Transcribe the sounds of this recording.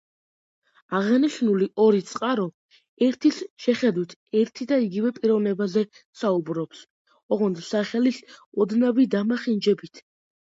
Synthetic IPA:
aʁaniʃnuliʔɔɾit̪sʼqʼaɾɔ | ɛɾt̪ʰisʃɛχɛd̪wit̪ʰɛɾt̪ʰid̪aiɡivɛpʼiɾɔvnɛbazɛ | saubɾɔps | ɔʁɔnd̪saχɛlisɔd̪navid̪amaχind͡ʒɛbit̪ʰ

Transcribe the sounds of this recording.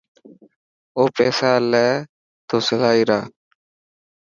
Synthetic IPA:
oːpɛːsaːlɛː | t̪oːsəlaːiːɾaː

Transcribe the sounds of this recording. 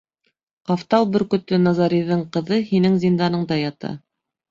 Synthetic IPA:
qɑft̪ɑlˠbɘ̆ɾkɵ̆t̪ːɵnɑzɑɾʲiðɤɴqɤ̆ðɤhinɘŋzʲind̪ɑnɤ̆ɴd̪ɑjɑt̪ɑ̰

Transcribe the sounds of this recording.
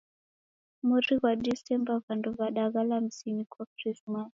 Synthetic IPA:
muɾiɣwaɗisɛmbaɣandɔβaɗaɣalam̩sinikwakɾismas

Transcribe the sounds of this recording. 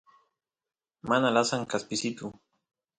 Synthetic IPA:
manalasaŋkaspɪsɪt̪ʊ

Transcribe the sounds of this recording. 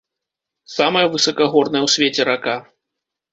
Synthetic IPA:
samɐjɐvɨsɐkɐɣɔrnɐjɐwsʲvʲet͡sʲɛɾaka

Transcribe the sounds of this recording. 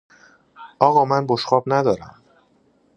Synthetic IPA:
ʔɒːɣɒːmænboʃχɒːbnæd̪ɒːɾæ̰m

